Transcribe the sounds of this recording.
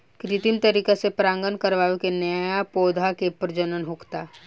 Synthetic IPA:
kɾɪt̪int̪əɾiːkesepɾãːŋɡənkəɾʋaːʋekenəjapoːd̪ʱakepɾd͡ʒənənɦʊkt̪aː

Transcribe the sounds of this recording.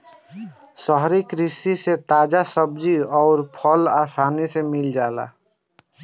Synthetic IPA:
səɦɾikɾisiset̪ad͡ʒasəb̚d͡ʒiɔʊɾpʰəlasanisemild͡ʒala̰

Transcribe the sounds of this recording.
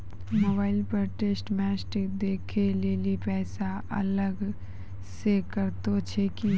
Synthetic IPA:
moːbaːɪlpəɾʈeːsʈmɛːsʈɪkd̪eːkʰeleːlipɛːsaʔɐ̰ləɡ | sekəɾt̪ot͡ʃʰeki

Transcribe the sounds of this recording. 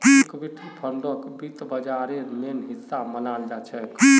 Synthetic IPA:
ikbiʈʰipʰəɳɖokbit̪bəd͡ʒaɾemenɦisːamənald͡ʒat͡ʃʰɛk

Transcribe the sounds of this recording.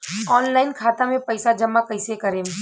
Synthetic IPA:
ɔːnlaːɪnkʰaːt̪amẽpɐɪsad͡ʒɐmːakɐɪsekɐɾẽː

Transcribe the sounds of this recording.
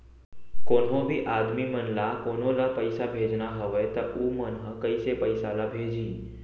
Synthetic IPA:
konɦõbʱiʔad̪mimənlakonolapəjsabʱed͡ʒnaɦəʋet̪əʔumənɦəkəjsepəjsalabʱed͡ʒĩ

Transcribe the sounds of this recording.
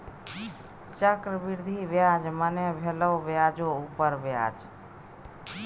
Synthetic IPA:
t͡ʃəkɾəbiɾd̪ʱiʋjaːd͡ʒmənebʱeləwʋjad͡ʒoupəɾbja̰ːd͡ʒ

